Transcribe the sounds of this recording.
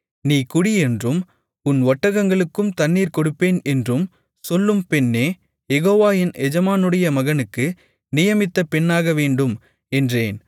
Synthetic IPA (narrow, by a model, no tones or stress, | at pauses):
niːkʊɽiɛndrɯm | ʊnʋɐʈːɐɣɐŋɡɐɭɯkːɯmt̪ɐnːiːɾkɔɽɯpːeːnɛndrɯm | sɔlːɯmpɛnːeː | jɛɣoːʋaːjɪnɛd͡ʒɐmaːnɯɽɐjɐmɐɣɐnɯkːɯ | nɪjɐmɪt̪ːɐpɛnːaːɣɐʋeːɳɖɯm | ɛndreːn